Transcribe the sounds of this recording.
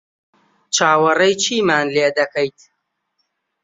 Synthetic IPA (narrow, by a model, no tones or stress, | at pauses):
t͡ʃʰaːwɐrɐjt͡ʃʰiːmaːnleːd̪ɐkʰɐjt̪